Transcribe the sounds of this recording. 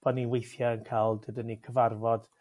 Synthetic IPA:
b̥ɔniwejθjaənkʰajlˠdɨdənːikʰəvarvɔd̥

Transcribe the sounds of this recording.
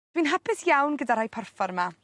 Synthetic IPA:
d̥winɦapʰɪsjawnɡədaɾajpʰarfɔɾma

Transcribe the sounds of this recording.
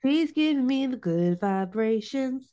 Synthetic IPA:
pʰl̥izɡɪvɪ̃ŋmiðəɡʊdvaɪbɹeɪʃɨ̃nz

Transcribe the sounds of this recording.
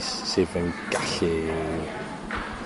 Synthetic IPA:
ssevənɡ̥aɬi

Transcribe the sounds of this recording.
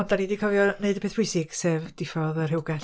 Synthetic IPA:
ɔndanidikʰɔvjɔneɨdəbeːθbwɪjsɪɡ̥sevd̥ɪfɔðər̥hɪwɡaɬ

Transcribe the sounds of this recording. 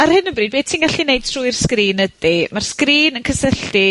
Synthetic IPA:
arhɨnəbriːd̚be̥ːtʰinɡaɬinejd̥̚tʰruɨrskriːnədimarskriːnənkʰəsəɬti

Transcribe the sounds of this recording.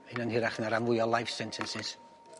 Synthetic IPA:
enənhɪɾaχnaɾamvʊjɔlˠajfsɛntʰɛnsɪs

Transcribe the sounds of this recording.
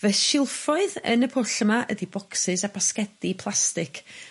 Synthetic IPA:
vɛʃɪlˠfɔɨðə̰nəpʰʊɬəmaʔə̰dibɔksɨsabaskɛdipʰlˠastɪkʰ

